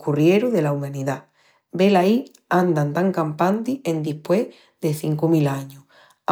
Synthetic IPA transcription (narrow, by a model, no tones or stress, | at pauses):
kurjeɾoðe̞laumãniða | be̞lai | and̪ant̪aŋkampant̪iend̪ihpwe | ðeθiŋkomilaɲo